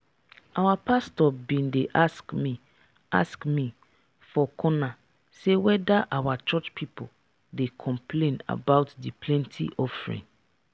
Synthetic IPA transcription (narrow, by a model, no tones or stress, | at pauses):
awapʰastɔbĩndeʔaskmi | a̰skmĩ | fɔkʰɔ̃na | sewɛdaʔawat͡ʃɔt͡ʃpʰipʰo | dekʰɔ̃mplẽna̰baʊtdipʰlɛ̃ntʰḭʔɔfɹḭ̃n